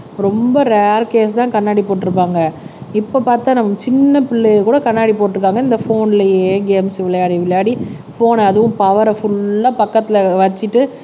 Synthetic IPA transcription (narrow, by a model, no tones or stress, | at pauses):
ɾɔmbɐɾaːɾkeːs̬t̪ãːkɐnːaːɽipoːʈːɪɾɯp̬ːaːŋɡɐɪpːopaːɾt̪ːãːnɐmːɐt͡ʃɪnːɐpɪɭːikuːɽɐkɐnːaːɽipoːʈːɪɾɯkːaːŋɡɐɪnd̪ɐfoːnɪlɐjeeːɡeːmsɪʋɪɭɐjaːɽiʋɪɭjaːɽi | foːnɐðɯʋʊ̃mpɐʋɐɾɐfʊɭːaːpɐkːɐt̪ːɪlɐʋɐt͡ʃːɪʈːɯ